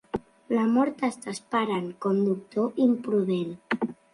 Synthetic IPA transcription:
lamɔɾt̪ast̪aspaɾankɔmd̪uk̚t̪oʔimpɾuðen

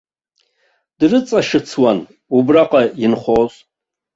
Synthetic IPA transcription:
d̥rɨt͡sʼaʂɨt͡sʰwan | ubraqʼainχʷosʼ

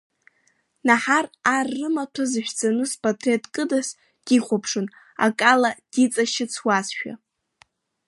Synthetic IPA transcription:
naħararːɨmatʰazɨʃʷᶣd͡zʼanɨspʼatʰretʼkʼɨdas | d̥iχʷapʰʂɨn | a̰kʼalad̥it͡sʼaʃɪt͡sʰwazʃᶣa̰

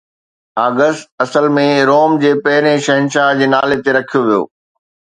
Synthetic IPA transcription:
aːɡəst̪̚ɐsəlmẽɾoːmd͡ʑeːpɐɦɪɾẽʃɐɦənʃaːɦd͡ʑeːnaːlet̪eɾɐkʰijoʋijo̰ː

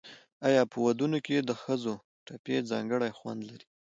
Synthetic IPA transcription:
ajɑpəwad̪unoked̪əxəzo | ʈapezɑ̰ŋɡəɽajxwa̰nd̪laɾi̥

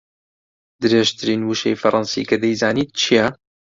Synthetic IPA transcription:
d̪ɨɾeʒt̪ʰɨɾiːnwuʃḛjfɐɾˤʔɑnsḭkɐd̪ɐjzaːniːt̪̚t͡ʃʰijɛ

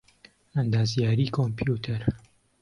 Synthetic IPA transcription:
ɐnd̪aːzjaːɾiːkʰompʰjuːt̪ʰɐɾ

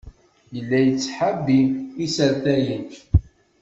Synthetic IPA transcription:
jəlːæjət͡sːħabiisəɾθæjəç

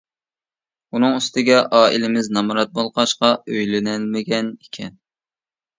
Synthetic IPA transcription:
unɨŋyst̪ɪɡʲɛʔɑːʔilɪmɪznɑmɾɑt̪̚bolˠqʰɑʃqɑøjlɪnɪlmɪɡʲɛnekʲʰɛn

